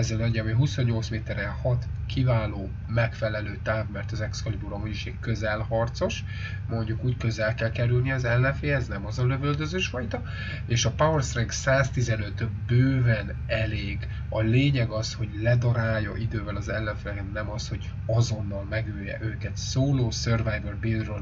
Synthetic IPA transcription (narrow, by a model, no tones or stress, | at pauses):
ɛzɛlɛɲɟɛmiɦuso̞ɲːo̞lt̪smeːt̪ɛɾɛhɒt̪ | kivaːloː | mɛkfɛlɛløːt̪aːvmɛrt̪ɒzɛkskɒlibuɾomiiʃeːkkøzɛlhɒrt̪so̞ʃ | mo̞ɲɟukuːckø̞zɛlkɛlkɛɾylniɒzɛlːɛɱfeːɛznɛmɒzɒløvøld̪øzøːʃfɒjt̪ɒ | eːʃɒpaørsrɛɡsaːst̪izɛnøt̪bøːvɛn | ɛleːɡ | ɒleːɲɛɡɒsho̞ɟlɛd̪ɒɾaːjːɒʔid̪øːvɛlɒzɛlːɛɱfnɛkɛt̪nɛmɒsho̞ɟ | ɒzo̞nːɒlmɛɡøːjɛ̰ʔøːkɛt̪soːloːsørvɛjdorbilrø